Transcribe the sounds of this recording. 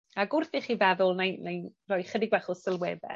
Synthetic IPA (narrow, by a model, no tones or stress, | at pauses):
aɡʊrθiχiːvɛðʊlˠnajnajrɔːjχədɪɡwɛχɔsəlˠwɛːbɛ̰